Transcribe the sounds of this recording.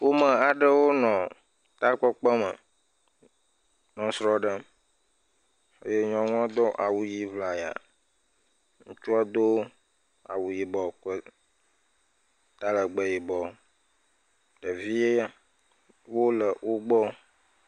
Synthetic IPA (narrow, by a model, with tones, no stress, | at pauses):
wo˦mə˨a˨ɖə˦wo˦nɔ̃˨ | t̪a˦k͡pɔ˦k͡pə˦mə̰˨ | nɔ̃˨sɾɔ˦ɖə˦ | ḛ˦je˦ɲɔ̃˦ŋ˦ɔ̃˦d̪ɔ˦ʔa˨wu˨ji˦vla˨ja̰˨ | ŋũ˦t͡ʃu˦a˦d̪o˦ | a̰˨wu˨ji˨bɔ˨kə˦ | t̪a˦lə˨ɡ͡bə˨ji˨bɔ˨ | ɖ̥ə˨vi˦je˦ja˦ | wo˦lə˨wo˦ɡ͡bɔ˦